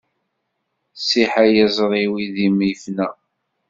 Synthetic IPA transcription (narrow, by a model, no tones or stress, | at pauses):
siħajəzˤɾˤiwiðimifnæ